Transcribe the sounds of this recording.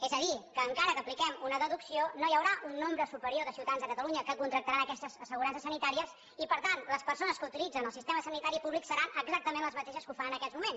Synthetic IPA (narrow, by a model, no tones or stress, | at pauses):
ezəðikəːŋkaɾəkəːplikɛmunəðəðuksionojəwɾaʔunːombɾəsupəɾioðəsiwt̪anzðəkət̪əluɲəkəkunt̪ɾək̚t̪əɾanəkɛst̪əzəsəɣuɾansəsːənit̪aɾiəs | ipəɾt̪anləspəɾsonəskəut̪ilid͡zənəlˠsist̪eməsənit̪aɾipuβliksəɾanəɡzak̚t̪əmẽnləzmət̪eʃəskufəɾanəkɛzmumens